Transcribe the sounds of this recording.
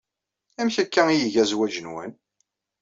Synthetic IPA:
æmçækːæijəʝæzwæd͡ʒənwæ̰n

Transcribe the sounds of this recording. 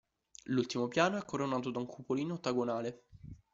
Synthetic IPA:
lult̪imopjaːnoɛkːoɾonːaːt̪od̪auŋkʰupoliːnot̪ːaɡonaːle

